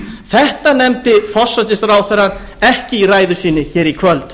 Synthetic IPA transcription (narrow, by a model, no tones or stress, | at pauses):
θɛht̪anɛmt̪ɪfɔ̥sːat̪ɪst̪ɾaːwθɛɾaɾ | ɛhcɪiraːjðʏsiːnɪçɛːɾikʰvœlt̪